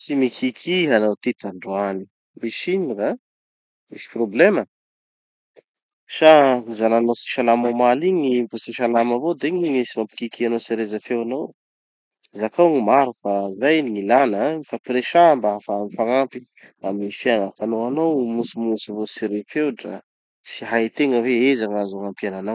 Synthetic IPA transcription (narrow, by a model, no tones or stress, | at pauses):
simikʰikʰiɦanowt̪it̪aɳɖ͡ʐuani | miʃiɲiɾa | misi̥problemə | ʃaŋizananosi̥ʃalamamaliɲivosiʃalaməvod̪iɲimisimampi̥kikianowseɾezəfewanow | zakaŋimaɾufazajniŋilanəifapɾeʃambaafamifaŋampi̥ | amnifiaŋafanowanawmusimusivosiɾefewʈ͡ʂə̰ | siɦait̪eŋəveezaŋazaŋampiananaw